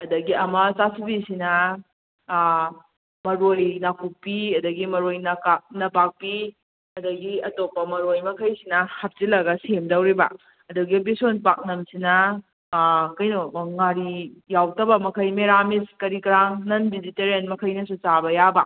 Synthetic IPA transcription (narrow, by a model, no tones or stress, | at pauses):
ɐdɐɡiɐmɐsasibisinɐ | mɐɾojnakʰuk̚piɐdɐɡimɐɾojnɐkanɐpak̚pi | ɐdɐɡiɐtopːɐmɐɾojmɐkʰɐjsinɐhɐp̚t͡ʃilɐɡɐsemdɐwɾibɐ̰ | ɐduɡibisonpak̚nɐmsinɐ | kɐjnoŋaɾijawtɐbɐmɐkʰɐjmeɾamiskɐɾikɾaŋnɐnbiziteɾenmɐkʰɐjnɐsut͡ʃabɐjabɐ